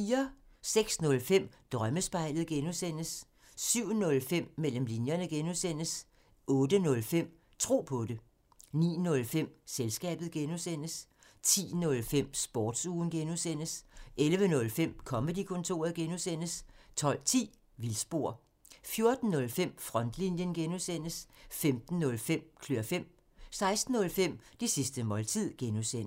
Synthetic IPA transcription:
iːɐseɡ̥snɔ̽lfem̰d̥ʁɶməsb̥ɑ̈ɪ̰lð̩ˠɡ̥enusen̰əsː | yʊ̰nɔ̽lfem̰ːel̰əmlinjɐnəɡ̥enusen̰əs | ʔɔ̽ːd̥ənɔ̽lfem̰ | t͡sʰʁo̝̰ːpʰɔ̽de̝ | nḭːnɔ̽lfem̰selsɡ̥ɛ̰ːb̥ð̩ˠɡ̥enusen̰əs | t͡sʰḭːnɔ̽lfem̰sb̥ɒːd̥suːn̩ɡ̥enusen̰əsʔelʋənɔ̽lfem̰kʰɒ̽med̥ikʰɔ̽nt͡sʰo̝̰ːɐð̩ˠɡ̥enusen̰əst͡sʰɒ̽l̰t͡sʰḭː | ʋilsb̥o̝ɐ̰ | fjo̝ɐd̥n̩nɔ̽lfem̰fʁɒ̽nd̥linjənɡ̥enusen̰əsfemd̥n̩ːɔ̽lfem̰kʰløɐfem̰ | sɑ̈ɪsd̥n̩ːɔ̽lfem̰d̥isisd̥əmɒ̽lt͡sʰið̰ˠɡ̥enusen

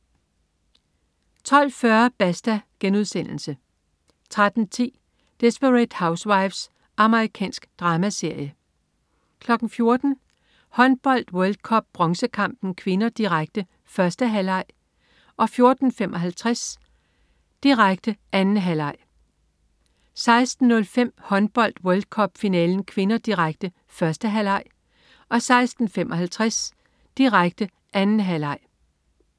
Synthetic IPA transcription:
t͡sʰɒ̽l̰fɶɐb̥æsd̥æɡ̥enuðˠsen̰l̩sə | t͡sʰʁad̥n̩t͡sʰḭː | d̥e̝sb̥əʁɛd̥häʊswɑ̈ɪfs | ʔɑ̈məʁikʰɛ̰ːnsɡ̥d̥ʁɑ̈ːmæse̝ɐ̰jə | kʰlɒ̽ɡ̥n̩fjo̝ɐd̥n̩ | hɒ̽nb̥ɒ̽l̰d̥wœld̥̚kʰɒ̽b̥̚ːʁɒ̽ŋsəkʰɑ̈m̰b̥n̩kʰʋe̝nɐd̥iʁaɡ̥̚d̥ə | fɶɐsd̥əɦælɑ̈ɪ̰ | ʔɒ̽fjo̝ɐd̥n̩femʔɒ̽ɦælt͡sʰʁas | d̥iʁäɡ̥̚d̥əʔænn̩ɦælɑ̈ɪ̰ | sɑ̈ɪsd̥n̩ːɔ̽lfem̰hɒ̽nb̥ɒ̽l̰d̥wɔld̥̚kʰɒ̽b̥finɛːln̩kʰʋe̝nɐd̥iʁaɡ̥̚d̥ə | fɶɐsd̥əɦælɑ̈ɪ̰ | ʔɒ̽sɑ̈ɪsd̥n̩femʔɒ̽ɦælt͡sʰʁɛs | d̥iʁäɡ̥̚d̥ə | ʔænn̩ɦælɑ̈ɪ̰

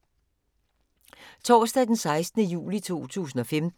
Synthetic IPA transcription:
t͡sʰɒ̰ːsd̥ɛd̥ensɑ̈ɪsd̥nəjṵːlit͡sʰo̝̰ːt͡sʰṵːs̬n̩ɒ̽femd̥

